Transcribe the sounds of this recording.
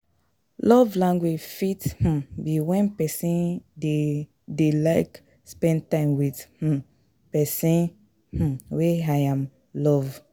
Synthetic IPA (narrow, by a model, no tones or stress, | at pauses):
lɔvlãŋɡwed͡ʒfith̩biwɛ̃npɛsĩnde | delaɪk | spɛ̃n̚tãɪ̃mwith̩ | pɛsĩn | h̩weaãm | lɔv